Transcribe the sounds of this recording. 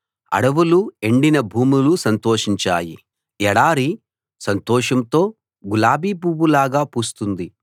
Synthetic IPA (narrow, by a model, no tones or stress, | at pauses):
ɐ̰ɽɐʋulue̞ɳɖinɐbʱuːmulusɐnt̪oːʂiɲt͡ʃa̰ːjḭ | ɛɽaːɾi | sɐnt̪ɔːʂɐmt̪o̞ː | ɡulaːbiːpuːwulaːɡaːpuːst̪und̪i